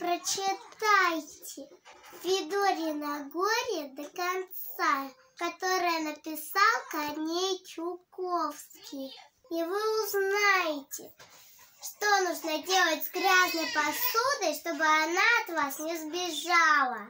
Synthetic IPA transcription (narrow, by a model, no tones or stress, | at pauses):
pɾət͡ɕɪt̪ajtʲɪvʲɪd̪oɾʲɪnɐɡoɾʲəd̪əkɐnt̪ssa | kɐt̪o̞ɾɨjənəpʲɪsalˠkɐnʲejtʲʊkofskʲɪj | ivɨʊznajɪtʲɪ | ʂt̪onuʐnədʲe̞lˠətʲzɡɾʲaznəjpɐsud̪əjʂt̪o̞bɨanaɐt̪vasnʲɪzbʲɪʐalˠə